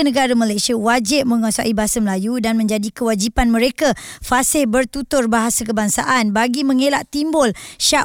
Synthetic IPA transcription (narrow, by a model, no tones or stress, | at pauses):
nəɡaɾamalajsiawad͡ʒɪp̚mə̃ŋãsa̰ʔibaɦasaməlajudanmə̃ɲd͡ʒadikəwad͡ʒipanmə̃ɾekafasɪhbərt̪ut̪ʊrbaɦasakəbaŋsa̰ʔanbaɡimə̃ŋelaʔt̪imbʊlʃa